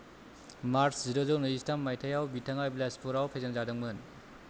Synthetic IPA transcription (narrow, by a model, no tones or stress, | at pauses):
maɾsziɾozownɯistʰamːajtʰajawbitʰaŋablaspʰuɾawpʰajzaŋzadɯŋmɯn